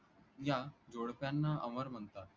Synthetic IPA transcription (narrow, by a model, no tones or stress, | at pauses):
jad͡ʑoɽpjanːaʔəməɾm̤ənt̪a